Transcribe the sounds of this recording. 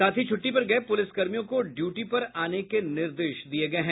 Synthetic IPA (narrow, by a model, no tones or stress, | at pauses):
saːt̪ʰit͡ʃʰʊʈːipɐɾɡɐepʊlɪskɐɾmijõkoɖjuːʈipɐɾaːnekenɪɾd̪eːʃd̪ieɡɐeɦɛ̃